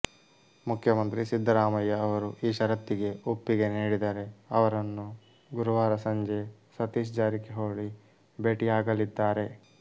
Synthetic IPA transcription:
mukʰjɐmɐnt̪ɾisid̪ʱːɐɾaːmɐjːɐːʋɐɾuʔiːʃɐɾɐt̪ːiɡe̞upːiɡe̞niːɽid̪aːɾe̞ɐʋɐɾɐnːu | ɡuɾuʋaːɾɐsɐɲd͡ʒe̞sɐt̪iːʃ̬d͡ʒaːɾikeɦoːɭi | beːʈiaːɡɐlid̪ːaːɾe̞

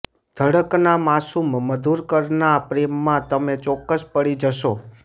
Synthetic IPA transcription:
d̪̥ʱəɽəknamasumːəd̪ʱuɾkəɾnapɾemːãt̪əmet͡ʃɔkːəspəɽid͡ʒəʃo

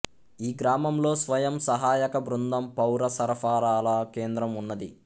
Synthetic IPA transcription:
iːɡɾaːmɐmlo̞ːsʋɐjɐmsɐɦaːjɐkɐbɾund̪ɐmpɐwɾɐsɐɾɐfaːɾaːlɐke̞ːnd̪ɾɐmunːɐd̪i

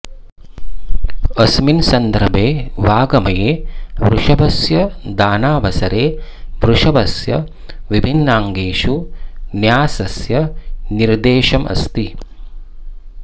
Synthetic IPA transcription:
ɐsminsɐnd̪ɾɐbʱeːʋaːɡɐmɐjeːʋɾuʂɐbɐsjɐd̪aːnaːʋɐsɐɾeːʋɾuʂɐʋɐsjɐ̰ | ʋibʱinːaːŋɡeːʃunjaːsɐsjɐniɾd̪eːʃɐmɐ̰st̪i

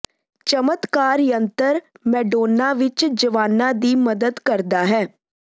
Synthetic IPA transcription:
t͡ʃəmət̪kaːɾjənt̪əɾmɛːɖoːnːãːʋɪt͡ʃd͡ʒəʋaːnːãːd̪iːməd̪əd̪kəɾd̪aːɦɛː

